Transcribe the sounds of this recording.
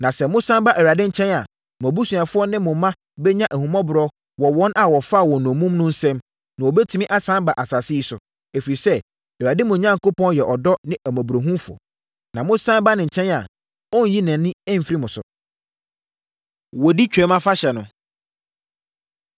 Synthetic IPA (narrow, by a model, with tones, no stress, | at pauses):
nã˨sɛ˨mʊ̃˦sã˦mba˦ʔɛ˨wa˨dɪ˦ɲ̩˨t͡ɕʰɛ̃˦na˨ | m˨ɔ̃˨bu˦su˨a˨fʊ˦ɔ˦nɪ̃˦mʊ̃˨mːã˦ | bɛ˦ɲã˦ʔæ˨hũ˨mɔ̃˦bʊ˨ɾɔ˦ | wɔ˨wɔ̃˦nʔa˨wɔ˨fa˦˨wɔ˨nɔ̃˨mũ˦mnʊ̃˦n̩˦sɛ̃˦m | nã˨wɔ˨bɛ˦tʰu˦mĩ˦ʔa˦sã˦mba˨ʔa˨sa˨sɪ˦i˦sʊ˨ | e˨fi˨ɾi˨sɛ˦ | ɛ˨a˨dɪ˦mʊ̃˨ɲã˦ŋ˨ko˦pʰɔ̃˦njɛ˨ʔɔ˨dɔ˦nɪ̃˦æ˨mæ̃˨bu˨ɾo˨ɦũ˦fʊ˨ɔ̰˨ | nã˨mʊ̃˦sã˦mba˦nɪ̃˨ɲ̩˨t͡ɕʰɛ̃˦na˨ | ɔ̃˦n˨ji˦nɛ̃ː˨˦ɪ̃˦ɛ˦m̩˨fɾi˦mʊ̃˨sʊ̰˨ | wɔ˨di˦t͡ɕᶣɛ˨˦mã˦fa˦ɕɛ˨nʊ̃˨